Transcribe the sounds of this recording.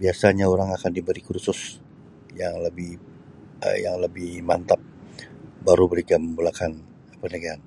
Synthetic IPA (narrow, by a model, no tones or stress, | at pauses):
biasaɲaoɾaŋakandibəɾikuɾsʊs | jaŋləbɪh | ə̰jaŋləbɪhmant̪ap̚ | baɾubəɾiɡaməmbulakan | pərnəɡaɦan